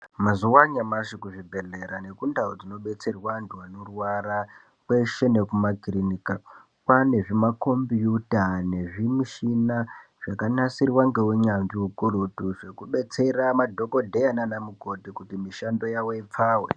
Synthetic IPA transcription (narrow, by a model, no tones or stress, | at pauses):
mazuwaɲamaʃikuʐibʱe̞ɮe̞ɾane̞kundaod͡zino̞ɓe̞t͡se̞rwanduwanorwaɾa | kwe̞ʃe̞ne̞kumakrinika | kwane̞ʐimako̞mbjutane̞ʐimiʃina | ʐ̥akanasirwaŋɡe̞weɲanʐiukurotuʐe̞kuɓe̞t͡se̞ramadʱoko̞dʱe̞jananamuko̞tikutimiʃando̞jawe̞ip͡faːwe